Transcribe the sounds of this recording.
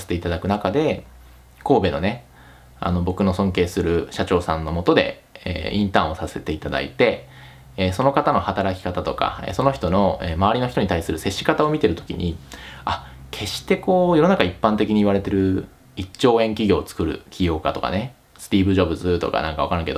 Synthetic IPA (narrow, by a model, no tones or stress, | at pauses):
aset̪eit̪ad̪akɯ̟nakad̪e̞ | ko̞ːbe̞no̞̰ne̞ | a̰no̞bo̞kɯ̟no̞sõ̞ŋke̞ːsɨɾɯ̟ɕat͡ɕo̞ːsãnːo̞mo̞t̪o̞d̪e̞̰ | ḛːĩnt̪ãɰ̃o̞sase̞t̪e̞it̪ad̪a̰ḭt̪e̞ː | so̞no̞kat̪ano̞hat̪aɾakʲi̥kat̪at̪oka̰ḛso̞no̞çi̥t̪o̞no̞eːmaβaɾʲino̞çi̥t̪o̞ɲ̟it̪aisɨɾɯ̟se̞ɕːi̥kat̪ao̞mʲit̪e̞ɾɯ̟t̪o̥kʲḭɲ̟ia | kʰe̞ɕi̥t̪e̞ko̞ːjo̞no̞nakaipːãnt̪e̞kʲiɲ̟iβ̞aɾe̞t̪e̞ɾɯ̟ | it͡ɕːo̞ːẽ̞ŋkʲiɡʲo̞ːt͡sɨ̥kɯ̟ɾɯ̟̰kʲʰijo̞ːkat̪o̞ka̰ne̞ | sɨ̥t̪ʲiːbɯ̟ʑo̞bɯ̟zɨt̪o̞̰ka̰nã̰ŋkaβakaɾãŋke̞d̪o